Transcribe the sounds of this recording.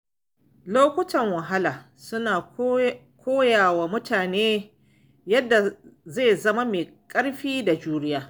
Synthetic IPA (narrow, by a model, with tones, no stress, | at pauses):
loː˦kʷʊ˦tɐ˨ŋwɐ˨ɦa˦laː˨ | sʊ˦naː˨ | kʷoː˦jaː˨wa˨mʊ˦taː˨neː˦ | jɐ˦dːa˨ze˦˨zɐ˦ma˦meː˨kʼɐ˦ɽɸiː˦da˨d͡ʒuː˦ɽɪ˦jaː˦˨